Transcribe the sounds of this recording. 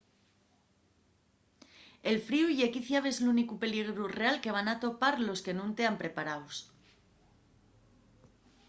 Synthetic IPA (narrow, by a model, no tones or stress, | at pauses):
e̞lfɾiuiʝe̞kiθjaβe̞zlunikupe̞liɣ̞ɾure̞alke̞β̞anat̪o̞paɾlo̞ske̞nũnt̪e̞ampɾe̞paɾaws